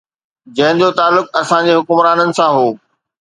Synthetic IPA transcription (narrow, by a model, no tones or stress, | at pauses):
d͡ʑɐ̃ɦɪ̃ɲd͡ʑot̪aːlːʊkɐsãd͡ʑeːɦʊkʊmɾaːnənɪ̆sãɦoː